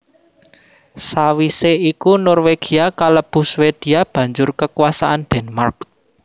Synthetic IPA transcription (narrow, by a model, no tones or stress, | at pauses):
sawiseikunɔrweɡ̥iakaləb̥ṳswed̪̥i̤ab̥a̤ɲd͡ʒʊrkəkuwasaʔand̪̥ɛ̤nmark̚